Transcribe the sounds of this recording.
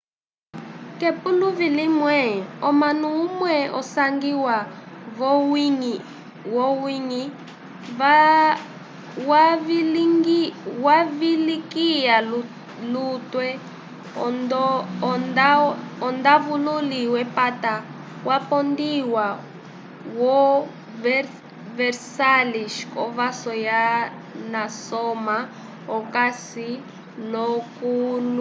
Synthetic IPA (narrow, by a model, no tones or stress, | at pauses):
kɛpuluvilimwɛɔmanuumwɛʔɔ̰saŋɡiwavɔiŋ | wɔwiŋi | wa | wavilikija | lutwɛ | ɔndɔndaɔnd̪avululiwɛpata | wapɔndiwa | wɔ | v | vɛrsaliʃkɔvasɔja | nasɔma | ɔkasi | lɔkulu